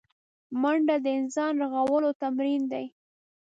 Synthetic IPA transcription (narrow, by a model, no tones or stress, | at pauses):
maɳɖad̪əɪnsɑnɾaɣawəlot̪amɾind̪aj